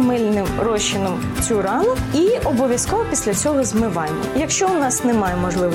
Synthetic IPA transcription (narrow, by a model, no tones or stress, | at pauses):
mɪlʲnɪmɾɔʃɪnɔm | t͡sʲuɾɑnʊiɔbɔʋʲjɐskɔʋɔpʲisʲlʲɐt͡sʲɔɦɔzmɪʋɑjmʲːɐjɐkʃt͡ʃɔʊnɑsnɛmɑjɛmɔʒlˠɪʋ